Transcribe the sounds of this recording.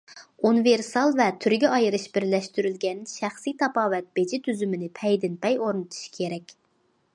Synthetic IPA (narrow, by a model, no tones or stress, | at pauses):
unɨveɾsɑlˠvɛt̪ʰyɾɡʲɛʔɑjɨɾɨʃbɪɾlɛʃt̪yɾylɡʲɛnʃæχsijt̪ʰɑpɑːvɛt̪̚bed͡ʒɪt̪ʰyzymɪnɪpʰɛjd̪ɪnpʰɛjoɾnɨt̪ʰu̥ʃkʲʰeɾɛkʲ